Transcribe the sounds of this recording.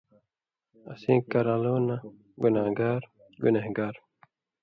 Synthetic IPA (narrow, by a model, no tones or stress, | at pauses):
ɐ̰sĩːkɐɾaloːna | ɡunaːɡaːɾ | ɡunehɡaːɾ